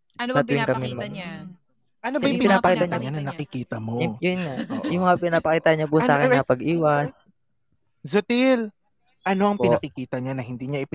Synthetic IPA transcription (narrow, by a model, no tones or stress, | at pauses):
sɐt̪jɪŋkɐmɪmɐm | ʔɐnobɐjʊpɪpɪnaːpɐkiːt̪aɲɐɲanɐnɐkɪkiːt̪ɐmojʊnajʊŋmɐŋapɪnapɐkiːt̪aɲapʊsaʔaːkɪɐpɐɡʔiːwɐs | zʊt̪ɪl | ʔɐnoɐŋpɪɐkɪkiːt̪ɐɲanɐhɪnd̪iːɲaʔɪpɪ